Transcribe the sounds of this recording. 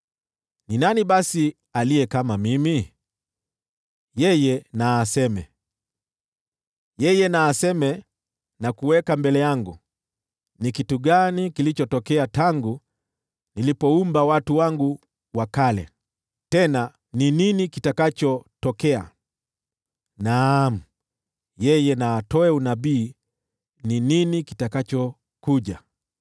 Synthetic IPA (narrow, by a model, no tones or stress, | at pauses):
ninanibasi | alijɛkamamimi | jɛjɛnaːsɛmɛ̰ | jɛjɛnaːsɛmɛ | nakuwɛkambɛlɛjaŋɡu | nikituɡanikilit͡ʃɔtɔkɛataŋɡu | nilipɔumbawatuwaŋɡu | wakalɛ̰ | tɛna | nininikitakat͡ʃɔtɔkɛa̰ | nam̩ | jɛjɛnaːtɔɛunabiː | nininikitakat͡ʃɔ | kuʄa̰